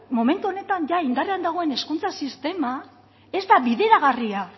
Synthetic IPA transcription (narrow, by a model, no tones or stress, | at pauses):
mome̞nt̪uo̞ne̞t̪anʝaind̪areand̪aɣ̞o̞e̞ne̞skunt͡sasist̪e̞ma | ezd̪aβiðe̞ɾaɣ̞aria